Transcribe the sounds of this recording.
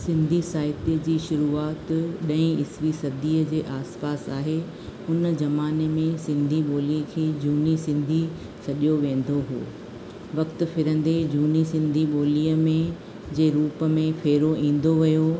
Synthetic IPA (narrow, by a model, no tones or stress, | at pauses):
sɪ̃nd̪ʱisaːɪt̪iəd͡ʑiːʃʊɾuːaːt̪ɗɐ̃ĩɪsʋisɐd̪ʱiːəd͡ʑeːʔaːspaːsaːɦe | ʊnəd͡ʑɐmaːnemẽsɪ̃nd̪ʱiɓoːlikʰeːd͡ʑuːnisɪ̃nd̪ʱi | sɐɗijoʋẽːn̆d̪oɦo̰ː | ʋɐkt̪ʊ̆fɪɾə̃n̆d̪ed͡ʑuːnisɪ̃nd̪ʱiɓoːliːəmẽ | d͡ʑeːɾuːpə̆mẽfeːɾoʔĩːn̆d̪oʋɐjo